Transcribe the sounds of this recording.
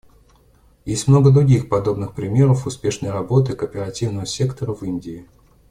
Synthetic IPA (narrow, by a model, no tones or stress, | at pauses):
jesʲtʲmno̞ɡəd̪ɾʊɡʲixpɐd̪o̞bnɨxpɾʲɪmʲeɾəfʊspʲe̞ʂnəjrɐbo̞t̪ɨkəːpʲɪɾɐtʲivnəvəsʲe̞kt̪əɾəvɨnʲdʲɪː